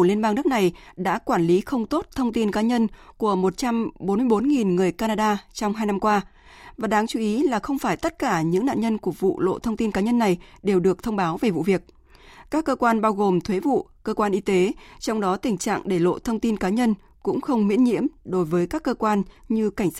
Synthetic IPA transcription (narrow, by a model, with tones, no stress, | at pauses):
li˧ənɓaː˧ŋnɨ˦˥k̚na˨˩jɗa̰ː˧˥kwaː˧˩nli˨˦xə˧wŋ͡mt̪o˦˥t̚t̪ʰə˧wŋ͡mt̪i˧nkaː˨˦ɲə˧nku˧˩əmo˨˩t̚t͡ɕa˧mɓo˨˦nmɨ˧əjɓo˨˦nŋi˨˩nŋɨ˨˩əjkaː˧naː˧ɗaː˧t͡ɕɔ˧wŋ͡mɦaː˧jna˧mkwaː˧ | vaː˨˩ɗaː˨˦ŋt͡ɕu˨˦ʔi˨˦laː˨˩xə˧wŋ͡mfaː˧˩jt̪ə˦˥t̚kaː˧˩ɲɨ̰˧˥ŋna̰ː˧˨nɲə˧nku˧˩əvṵ˧˨lo̰˧˨t̪ʰə˧wŋ͡mt̪i˧nkaː˨˦ɲə˧nːa˨˩jɗe˨˩wɗɨ˨˩ək̚t̪ʰə˧wŋ͡mɓaː˨˦wve˨˩vṵ˧˨vi˨˩ək̚ | kaː˦˥kːəː˧kwaː˧nɓaː˧wɣo˨˩mt̪ʰwe˨˦vṵ˧˨kəː˧kwaː˧nʔi˧t̪e˨˦t͡ɕɔ˧wŋ͡mɗɔ˨˦t̪ï˨˩ŋ̟t͡ɕa̰ː˧˨ŋɗe˧˩lo̰˧˨t̪ʰə˧wŋ͡mt̪i˧nkaː˨˦ɲə˧n | kʊ̰˧˥ŋ͡mxə˧wŋ͡mmḭ˧˥ənɲḭ˧˥əmɗo˨˦jvəː˨˦jkaː˦˥kːəː˧kwaː˧nɲɨ˧ka˧˩ŋ̟s